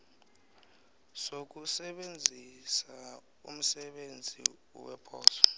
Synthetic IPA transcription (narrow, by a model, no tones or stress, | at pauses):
sok̬usɛɓend͡zʱisa | ṵm̩sɛɓend͡zʱḭ | wɛpʰɔːsɔ̥